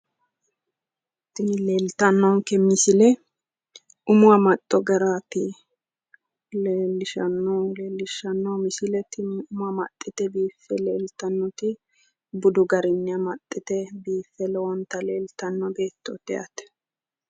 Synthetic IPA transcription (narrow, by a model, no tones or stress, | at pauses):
t̪ɪnleːlt̪ɐnːɔŋkɛmɪsɪlɛ | ʊmʊwɐmɐt̪ʼːɔɡɐɾaːtɪ | leːlːɪʃɐnːɔleːlːɪʃɐnːɔmɪsɪlɛt̪ɪnʊmʊɐmɐ̰t̪ʼːɪt̪ɛbiːfːɛleːlt̪ɐnːɔt̪ɪ | bʊd̪ʊɡɐɾɪnːɪɐmɐt̪ʼːɪt̪ɛbiːfːɛlɛwɔnt̪ɐleːlt̪ɐnːɔbe̞ːt̪ːɔt̪ɛɐ̰t̪ɛ̥